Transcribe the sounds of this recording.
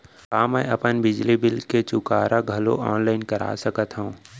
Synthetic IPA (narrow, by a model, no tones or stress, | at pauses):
ɦaːmɛːɐpənbɪd͡ʒlibɪlket͡ʃʊkaːɾʔaɡʱɐlo̰ʔɔːnlaːɪnkɐɾʔa̰ːsəkət̪ɦəũː